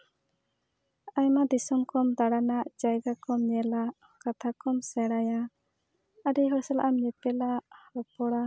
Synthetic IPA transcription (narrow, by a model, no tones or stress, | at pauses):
ajmad̪isɔmkɔmd̪aɽanaʔd͡ʒajɡakɔmɲɛlaʔ | kat̪ʰakɔmsɛɽaja | aɖiɦɔsɛla̰ʔamɲɛpɛlaʔhɔpɔɽa